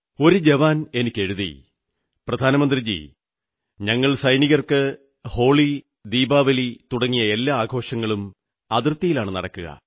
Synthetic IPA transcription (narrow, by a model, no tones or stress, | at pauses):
o̞ɾud͡ʑeʋaːne̞nikʲːe̞ɻuðḭ | prɐd̪ʱaːnɐmɐnd̪rid͡ʑḭ | ɲɐŋːɐɭsɐjniɣɐrkɨ | ho̞ːɭi | d̪iːbaːʋɐlit̪uɽɐŋːijɐe̞lːaːaːɡʱo̞ːʂɐŋːɐɭum | ɐðirt̪ːijilaːɳɨnɐ̰ɽɐkːuɣɐ̰